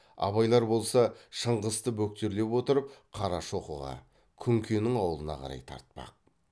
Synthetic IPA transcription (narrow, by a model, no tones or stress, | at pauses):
ɑ̰βɑjlˠɑɾbo̞lˠsɑʃəɴʁəst̪əbɵk̚t̪e̞ɾle̞pwo̞t̪əɾəp̚qʰɑɾɑʃo̞qəʁɑ̰ | kʲʰʏŋkʲʰenɪŋɑwəlˠənɑ̰qʰɑ̰ɾɑ̰jt̪ʰɑ̰ɾt̪̚pɑ̰q̚